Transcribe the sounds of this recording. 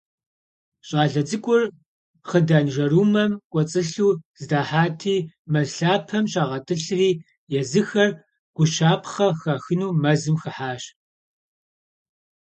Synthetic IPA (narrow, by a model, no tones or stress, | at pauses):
ɕʼaːɮɐd͡zɨkʷʼʊr | χədaːnʒɐruːmɐmkʷʼɔt͡sʼɨɬuːz̥ɨdaːħaːtʰiː | mɐzɬaːpʰɐmɕʼaːʁɐtʰɨɬɨriː | jɛzɨxɐr | ɡ̥ʷʊʃaːpʰχɐxɐxɨnuːmɐzɨmxɐħaːɕ